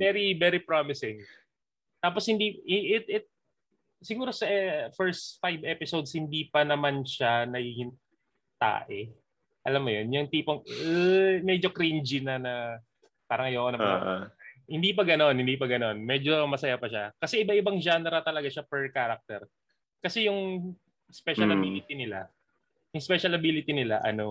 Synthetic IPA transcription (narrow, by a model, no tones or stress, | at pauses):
vɛɾibɛːɾipɾomɪsɪŋ | t̪aːposhɪnd̪iɪʔɪt̪̚ɛt̪̚ | sɪɡuːɾo̞sɐʔɛfɛɹst̪fajbɛpɪsowd̪shɪnd̪iːpɐnɐmanʃanɐjhɪn | t̪a̰ːʔɛ | ʔɐlamːojonjʊŋt̪iːpoŋ | mɛd͡ʒo̞kɾind͡ʒɪnɐnɐ | paːɾɐŋɐjoɐkonɐma̰ɐjhɪnd̪ip̬ɐɡɐno̞nhɪnd̪ipɐɡɐno̞nmɛd͡ʒo̞mɐsɐjapɐʃakɐsɛʔɪbaʔɪbaŋd͡ʒanɾɐt̪ɐlɐɡaʃapɛɹkaɾɐk̚t̪ɛɾ | kɐsɛjʊŋ | spɛʃɐlɐbilɪt̪inɪla | jʊŋspɛʃɐlɐbiːlɪt̪ɪnɪlaʔɐno̞